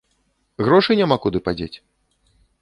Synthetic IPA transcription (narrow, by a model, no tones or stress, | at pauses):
ɣɾɔʂɨnʲamakud̪ɨpad͡zʲet͡sʲ